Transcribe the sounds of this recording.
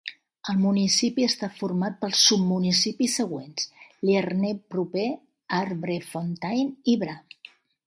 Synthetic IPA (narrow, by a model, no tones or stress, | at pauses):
əlˠmunisipiəst̪afurmat̪̚pəlˠsub̚munisipisəɣ̞wensliərnepɾupe | aɾβɾefont̪ajniβɾa